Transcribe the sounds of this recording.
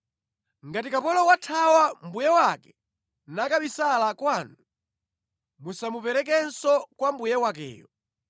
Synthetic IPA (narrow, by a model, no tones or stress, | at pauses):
ŋɡatikapɔlɔwatʰawambujɛwakɛ̥ | nakaɓisalakwanu | musamupɛɾɛk̬ɛnsɔkwambujɛwak̬ɛ̰ːjɔ